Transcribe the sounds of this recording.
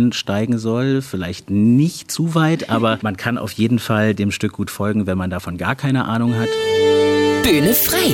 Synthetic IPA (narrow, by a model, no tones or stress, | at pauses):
nʃtaɪɡŋ̩zɔlfɪlaɪçtnɪçtt͡suːvaɪtʔaːbɐmankʰanʔa̰ʊfjeːdn̩faldeːmʃtʏk̚ɡ̥uːtfɔlɡŋ̩vɛnmandafɔnɡaːɐkʰaɪnəʔaːnʊŋɦat | b̥yːnəfʁ̥aɪ